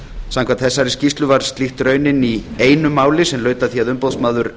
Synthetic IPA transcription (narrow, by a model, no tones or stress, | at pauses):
sãmkʰvant̪θɛsːaɾɪscist̪lʏvaɾ̥st̪lixt̪ɾœːɥnɪnieːjnʏmːaːwlɪsɛmlœːɥt̪aθiaðʏmpowsmaːðʏɾ